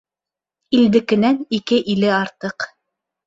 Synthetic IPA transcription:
ild̪ɘ̆kɘ̆nænikɘʔilɘɑɾt̪ɤq

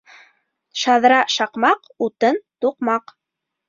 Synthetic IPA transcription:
ʃɑðɾɑʃɑqmɑq | ut̪ɤnt̪uqmɑq

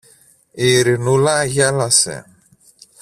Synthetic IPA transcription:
iɾinulajalasɛ̰

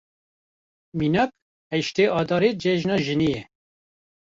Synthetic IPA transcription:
minɑk̚ | hɛʃt̪eːʔɑːd̪ɑːɾeːd͡ʒɛʒnɑːʒɨnijɛ

